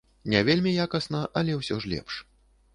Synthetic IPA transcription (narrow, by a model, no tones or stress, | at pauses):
nʲɛvʲelʲmʲijakɐsnɐʔɐlʲɛwsʲɔʐlʲɛ̰pʂ